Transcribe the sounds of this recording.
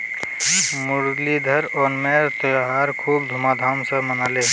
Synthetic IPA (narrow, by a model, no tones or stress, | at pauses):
mʊɾlid̪ʱəɾɔːnmeɾt̪əɦaɾkʰuːbd̪ʱumad̪ʱaːmsə̃mənaːle